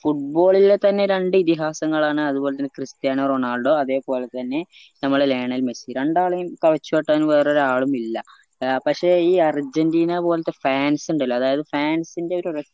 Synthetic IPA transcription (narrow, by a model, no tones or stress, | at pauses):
fuʈ̚bo̞ːɭilet̪ːɐnːe̞ɾeɳɖɨit̪iɦaːsɐŋːɐɭaːɳɨɐðubo̞ːlet̪ːɐnːekrist̪ijaːnɐroɳaːlɖoːɐðe̞ːpo̞ːlet̪ːɐnːe̞ | nɐmːɐɭele̞ːɳɐilmesiɾeɳɖaːɭɐjumkɐʋɐt͡ɕːupeʈːaːinuʋeːro̞ɾaːɭumilːɐ | pɐkʂe̞ːiːɐrd͡ʑɐndiːnɐpo̞ːlet̪ːefaːnsuɳɖilːɐːðaːjɐðɨfaːnsinde̞o̞ɾuɾɐ